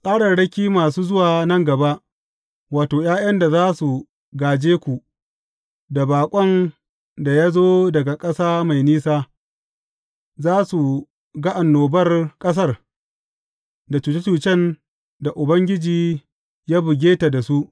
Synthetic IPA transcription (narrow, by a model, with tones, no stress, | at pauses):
sʼaː˦ɽɐ˨nɽɐ˦kʲiː˦maː˨suː˦zʊ˦waː˨nɐ˦ŋɡɐ˨ba˦ʔ | waː˨toː˨jaː˦jɐ˦nda˨zaː˦su˨ | ɡaː˨d͡ʒeː˦kʷu˨ | da˨baː˨kʷʼɔ˦n | da˨jaː˦zoː˦dɐ˨ɡa˨kʼɐ˦saː˦ma˨jniː˦saː˦ | zaː˦su˨ | ɡa˦ʔa˨nːoː˨bɐ˦rkʼɐ˦s̬ɐ˦r | da˨t͡ʃuː˨t͡ʃe˦t͡ʃuː˨t͡ʃɛ˦n | da˨ʔʊ˨bɐ˦ŋɡʲɪ˦d͡ʒiː˨ | jaː˦bʊ˨ɡʲeː˦ta˨da˨su˦ʔ